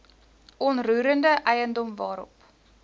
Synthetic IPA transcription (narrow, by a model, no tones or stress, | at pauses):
ʔɔnruːɾəndəʔɛjəndɔmvɑːɾɔ̰p